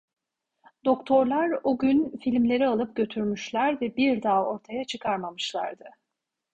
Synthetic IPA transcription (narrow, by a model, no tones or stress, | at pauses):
d̪o̞kt̪ʰo̞ɾlˠaɾuɟynfilʲmlʲe̞ɾialˠɯp̚ɟø̞t̪ʰyɾmyʃlʲæɾvɛbiɾd̪aːo̞ɾt̪ʰajat͡ʃʰɯkʰaɾmamɯʃlˠa̰ɾd̪ɯ